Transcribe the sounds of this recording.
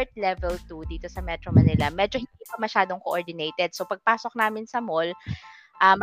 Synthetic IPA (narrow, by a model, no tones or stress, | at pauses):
ɹt̪̚lɛvɛlt̪ud̪iːt̪o̞sɐmɛt̪ɾomɐnɪlɐmɛːd͡ʒohɪnd̪iːpɐmɐʃaːd̪oŋkoʔoɹd̪ɪnejt̪ɛd̪̚sopɐɡ̚paːsok̚naːmɪnsɐmol | ʔɐmɐ